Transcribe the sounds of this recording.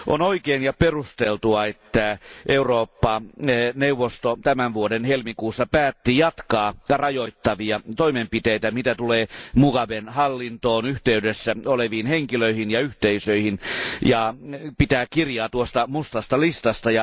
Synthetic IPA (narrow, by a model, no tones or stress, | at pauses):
ʔo̰noikeːnjɑperust̪elt̪uɑet̪ːæʔeuroːpːɑneuʋːost̪ot̪æmænʋuodenhelmikuːsːɑpæːt̪ːijɑt̪kɑːrɑjoit̪ːɑʋiɑt̪oimempit̪eit̪æmit̪æt̪uleːmukɑʋenhɑlːint̪oːnyht̪eydesːæoleʋiːnheŋkiløihinjɑyht̪eisøihinjɑpit̪æːkirjɑːt̪uost̪ɑmust̪ɑst̪ɑlist̪ɑst̪ɑjɑ